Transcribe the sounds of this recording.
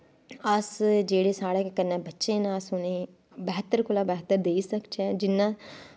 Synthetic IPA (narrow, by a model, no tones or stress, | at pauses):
əsd͡ʒeːɽeːsaːɽeːkkənːɛ̃ːbətːʃẽːnaːsʊneː | bɛːɦt̪ːəɾkʰʊlaːbɛːt̪ːəɾd̪eːiːsəkt͡ʃɛ̃ːd͡ʒɪnːãː